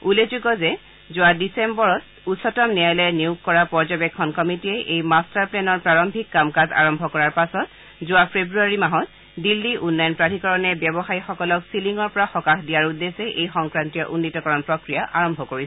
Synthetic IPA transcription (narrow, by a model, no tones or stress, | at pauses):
ulezuɡɔzɛ | zʊadisembɔɹɔt | usɔtɔmnijajlɛniukːɔɹapɔɹzɔbɛkʰːɔnkɔmitiɛʔejmastaɹplɛnɔɹpɹaɹɔmbʱikːamkaza̰ɹɔmbʱɔkɔɹaɹpasɔt | zʊwapʰebɹuaɹimaɦɔt | dilːiʔunːajɔnpɹatʰikɔɹɔnɛbjɔbɔxajxɔkɔlɔksiliŋɔɹpɔɹaxɔkaxdijaɹudesɛʔejxɔŋkɹantijɔʔunːitɔkɔɹɔnpɹɔkɹijaʔaɹɔmbʱɔkoɹisɛ